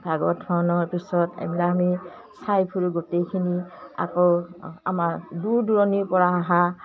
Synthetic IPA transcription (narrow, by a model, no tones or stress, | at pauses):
b̥ʱaɡɔdʰɔnɔɹpisɔtɛ̰mlaami | sajpʰuɹuɡotejkʰinia̰kɔa̰maɹduduɹɔnipɔɹaːɦa